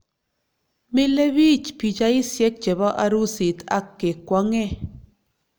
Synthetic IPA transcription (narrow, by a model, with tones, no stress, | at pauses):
mi˦le˦βi˦t͡ʃpi˨d͡ʒa˦jsje˦k̚t͡ʃe˨ba˦ʔa˧ɾu˦si˨t̪a˧kːe˨kʷa˧˦ŋe˦